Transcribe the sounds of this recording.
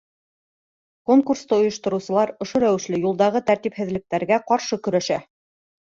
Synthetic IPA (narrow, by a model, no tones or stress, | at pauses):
koŋkurst̪ɤŏjɤ̆ʃt̪ɤ̆ɾuwsɤ̆lˠɑɾŏʃoɾæwɘ̆ʃlɘjulˠd̪ɑʁɤt̪æɾt̪iphɘ̆ðlɘ̆k̚t̪æɾɡæqɑɾʃɤkɵ̆ɾæʃæ